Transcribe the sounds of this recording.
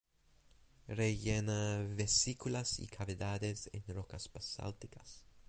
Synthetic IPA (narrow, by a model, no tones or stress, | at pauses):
reʝenaβesikulasḭkʰaβeðaðesḛnrokaspasa̰lt̪ikas